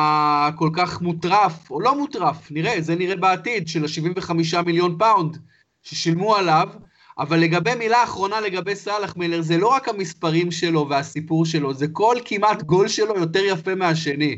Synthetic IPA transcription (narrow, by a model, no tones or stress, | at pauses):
ako̞lkaχmutʁafo̞lo̞mutʁafniʁe̞zeniʁebeatidʃelaʃiviɱveχamiʃ̬amiljo̞npawnd | ʃeʃilmualav | ʔa̰valːe̞ɡabe̞jmilaːχʁo̞nale̞ɡabe̞jsalaχmeleʁzelo̞ʁakhamispaʁimʃe̞lo̞veasipuʁʃ̬e̞lo̞zeko̞lkimatɡo̞lʃe̞lo̞jo̞te̞ʁjafe̞meaʃe̞ni